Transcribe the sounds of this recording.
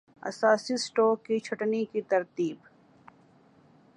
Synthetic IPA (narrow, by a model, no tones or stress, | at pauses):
ɐ̰saːsisʈoːkːit͡ʃʰɐʈnikit̪ɐɾt̪iːb